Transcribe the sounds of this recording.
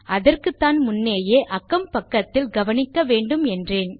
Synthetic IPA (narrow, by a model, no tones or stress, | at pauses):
ʔɐðɐrkɯt̪ːaːnmʊnːeːjeːʔɐkːɐmpɐkːɐt̪ːɪlɡɐʋɐnɪkːɐʋeːɳɖɯmɛndreːn